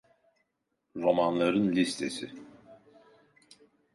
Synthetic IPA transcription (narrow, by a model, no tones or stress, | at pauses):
ɾo̞manlˠaɾɯnlʲist̪ʰe̞sɪ̰